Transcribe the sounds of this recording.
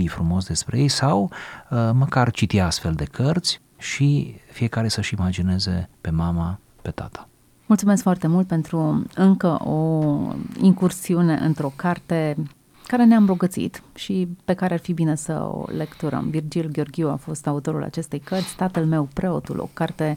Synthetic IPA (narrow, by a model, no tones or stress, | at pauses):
ijfɾumo̞sd̪e̞spɾejejsaw | məkart͡ʃit̪iast̪fe̞ld̪ekʰərt̪sʲ | ʃifijekaɾe̞səʃimad͡ʒine̞ze̞pe̞mama | pe̞t̪a̰t̪ʰḁ | mult̪sume̞skfoart̪e̞mult̪̚pe̞nt̪ɾuɨŋkəʔo | iŋkursiune̞ʔɨnt̪ɾo̞kart̪e̞ | kaɾe̞neamɾo̞ɡət̪sḭt̪ʃipe̞kaɾearfibine̞sə̰o̰le̞kt̪uɾə̰mvird͡ʒilɡʲeorɡʲiua̰fo̞st̪aut̪o̞ɾula̰t͡ʃe̞st̪ejkərt̪sʲt̪at̪əlme̞wpɾʔe̞o̞t̪ṵlʔo̞̰kart̪e̞